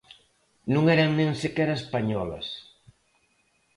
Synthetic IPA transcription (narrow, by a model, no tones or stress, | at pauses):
nũŋɛɾɐŋnẽŋsekɛɾaespaɲɔlɐ̰s